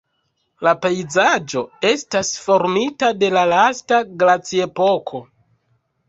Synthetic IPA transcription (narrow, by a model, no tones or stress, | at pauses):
lapejzad͡ʒo̞e̞stasfo̞ɾmitade̞lalastaɡɾat͡sie̞po̞kʰo̞